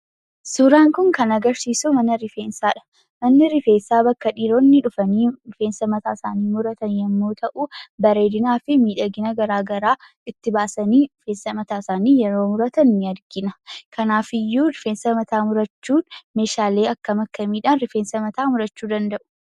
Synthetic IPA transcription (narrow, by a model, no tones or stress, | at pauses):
sʊɾaːŋkʊŋkɐnɐɡɐɾsiːsʊmɐnɐɾɪfe̞ːnsaːᶑɐ̥ | mɐnːɪɾɪfe̞ːnsaːbɐkːɐᶑiːɾoːnːɪᶑʊfɐniːɾʊfe̞ːnsɐmɐt̪aːsaːniːmʊɾɐt̪ɐnjɐmːoːt̪ʰɐʔubɐɾe̞ːd̪ɪnaːfɪmiːᶑɐɡɪnɐɡɐɾaːɡɐɾaː | ɪt̪ːɪbaːsɐniːᶑʊfeːnsɐmɐt̪aːɪsaːniːjɛɾo̞ːmʊɾɐt̪ɐnːɪɐɾɡɪnɐkʰɐnaːfɪjːuːɾʊfeːnsɐmɐt̪aːmʊɾɐt͡ʃːuːnme̞ːʃaːle̞ːɐkːɐmɐkːɐmiːᶑaːnɾɪfeːnsɐmɐt̪aːmʊɾɐt͡ʃːuːd̪ɐnd̪ɐʔʊ̥